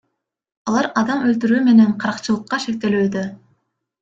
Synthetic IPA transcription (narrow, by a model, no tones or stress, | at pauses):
ɑlˠɑɾɑd̪ɑmølt̪̬yɾyːme̞ne̞ɴqʰɑɾɑqt͡ʃɯlˠɯqːɑʃek̚t̪e̞lyːd̪ø